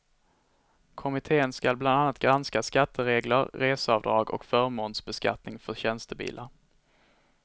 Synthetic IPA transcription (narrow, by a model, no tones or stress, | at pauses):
kʰɔmɪt̪ʰeːənskalbland̪anːat̪̚ɡɾanskaskat̪ʰːəɾeːɡləɾɾeːsəɑːvd̪ɾɑːɡɔ̰kfœɾmoːnsbɛska̰t̪nɪŋfœɕɛnst̪əbḭːlʔaɾ